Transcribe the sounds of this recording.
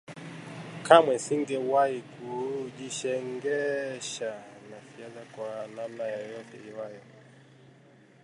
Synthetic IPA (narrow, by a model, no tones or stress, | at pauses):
kamwɛsiŋɡɛwahikuʄiʃɛŋɡɛʃanafiaðakwananajɔjɔtɛiwajɔ